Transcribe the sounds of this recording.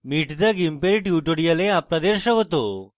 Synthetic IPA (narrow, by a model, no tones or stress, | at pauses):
miʈd͡z̪əɡimpeɾiʈjuʈoɽijaleaplad̪eɾɕəɦot̪o